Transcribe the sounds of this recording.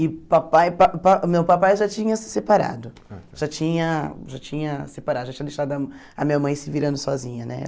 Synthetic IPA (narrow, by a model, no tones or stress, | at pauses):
ɪpapajpapamewpapajʒat͡ʃĩɲɐsɪ̥sepaɾa̰d̪ʊ | ʒ̥at͡ʃĩɲɐʒat͡ʃĩɲɐsepaɾad̪ʊʒat͡ʃĩɲɐd̪eʃt̪ad̪ʊɐ | ɐmĩɲɐmɐ̃j̃sɪviɾɐ̃nd̪ʊsɔzĩɲɐnɛ̰